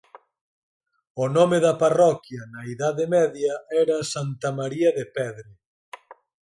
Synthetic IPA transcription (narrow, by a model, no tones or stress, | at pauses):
ʊnɔmeðɐparɔkjɐnɐiðaðemɛðjɐɛɾɐsant̪ɐmaɾiɐðepɛðɾɪ